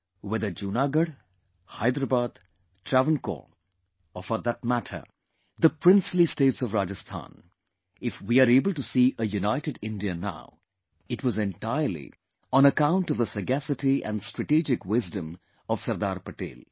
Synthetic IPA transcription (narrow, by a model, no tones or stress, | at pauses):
wɛðəd͡ʒuːnaɡəɖ | haɪd̪ɾəbaːd̪ | tʰɾævə̃nko̰l | ɔfəd̪ət̚mæʈʰə̰ | d̪əpɾɪ̃nslisteːʈsɔvɾad͡ʒəst̪ʰã̰ːn | ɪfwiaɾeːbəl̩ˠʈusiʔəjunaɪʈɨɖɪ̃nɖiəna̰ʊ | ɪʈwɔzɛ̃nʈaɪəɾlḭ | ɔ̃nəkãʊ̃nʈʌvðəsəɡæsɨtiʔæ̰̃nɖsʈɹ̥əʈid͡ʒɪkwɪzdə̃m | ʌv̥sɐɾd̪aːɾpəʈḛːl